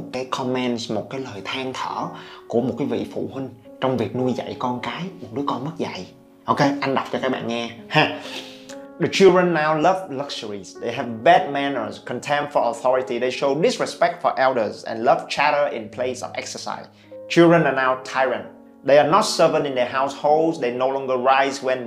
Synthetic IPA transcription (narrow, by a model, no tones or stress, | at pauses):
t̚kaːjkʰɔmɛnsmot̚kaːjləːjt̪ʰaːŋt̪ʰəːkuəmot̚kaːjvḭfṵhwïŋ̟ | t͡ɕɔwŋ͡mvik̚nuəjza̰jkɔnkaːjmot̚ɗɨəkɔnmət̚za̰j | ʔowkeʔanɗawk͡p̚t͡ɕɔkaːk̚ɓa̰ːnŋɛhã | ɗət͡ʃɪlˠdɹə̃nːawləvləkʃəɹizɗejɦɛvbɛd̚mɛnə̰˞zkʰə̃ntʰɛ̃mfɔəθɔɹitiðejʃoʊɗɪsɹispɛk̚tfɔ̰ʔɛldə˞zɛ̰̃nləv̥t͡ʃʰæɾəʔɪ̰̃npʰlejsə̰vɛksə˞sa̰ɪz | t͡ʃɪlˠdɹə̃nanawtʰajɹə̃nt̚ | ɗeɪənɔt̚sə˞və̃nɪ̃ndɛəɦawsholˠdzdejnowlɔ̃ŋɡəɹajzwɛ̃n